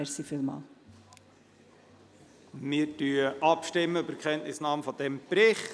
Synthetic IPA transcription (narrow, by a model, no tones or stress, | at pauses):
ɛɾsifilmɑ̰ːl | mɪːɾtyəəʔɑpʃtɪmːəøbəɾkʰχɛntnɪsnɑːmfɔd̥ɛmb̥ɾɪχ